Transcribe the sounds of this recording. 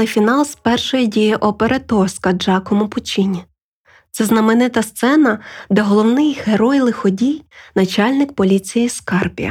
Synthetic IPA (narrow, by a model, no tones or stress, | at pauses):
ɪfʲinɑlˠspɛrʃɔjidʲijiʔɔpeɾet̪ɔrskɐd͡ʒɑkɔmʊpʊt͡ʃʲinʲi | t̪sɛznɐmɪnɪt̪ɐst̪sɛnɐd̪ɛɦɔlˠɔwnɪjheɾɔjlˠɪxɔdʲijnɐt͡ʃɑlʲnɪkpɔlʲit͡sʲijiskɑrpʲḭjɐ̰